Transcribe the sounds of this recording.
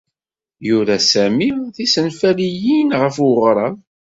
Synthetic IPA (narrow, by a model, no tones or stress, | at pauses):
jʊɾæsæmiθisənfælijinʁəfwʊʁɾˤɑð